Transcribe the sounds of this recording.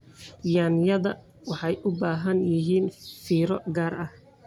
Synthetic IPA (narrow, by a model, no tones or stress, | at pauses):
jaːnɪjɐðɐ | wɑħɑjʔʊbaːɦɐnjɪɦiːnfiːɾɔɡaːɾɐh